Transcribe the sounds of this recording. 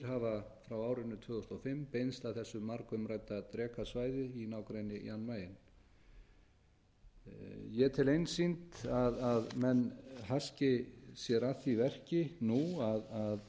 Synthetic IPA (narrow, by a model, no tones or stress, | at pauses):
ɾɦavafɾawaːwɾɪnːʏt̪ʰvʏːɣʏst̪ɔfɪmpejnst̪aθɛsːʏmːaɾkʏmɾajt̪ːat̪ɾɛːkʰasvaːjðʏinaːwkɾejnːɪḭanːmaːjɪn | jɛt̪ʰɪlejnsint̪aðaðmɛnɦascɪsjɛɾaθivɛr̥cɪnuaðað